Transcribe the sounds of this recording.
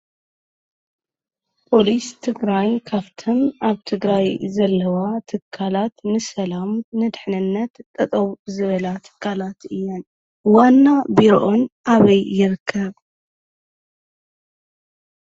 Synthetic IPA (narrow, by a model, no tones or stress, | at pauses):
pʰo̞list̪ʰɨɡɾajkʰaft̪ʰomʔaβt̪ʰɨɡɾajzɐlːɐwat̪ʰɨkʰːalat̪nɨsɐlamnɨd̪ɨħnɨnːɐt̪t̪ʼːɐt̪ʼɐwzɨβɐlat̪ʰɨ̥kʰːalat̪ɨjːon | wanːabiɾo̰ʔo̞nʔaβɐjːɪɾɨkʰːɐβ